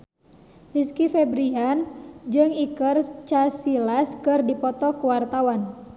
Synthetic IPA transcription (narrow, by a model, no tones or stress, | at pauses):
riskifebɾiand͡ʒɨŋikərt͡ʃasilaskɨrdipɔt̪ɔkuwart̪awan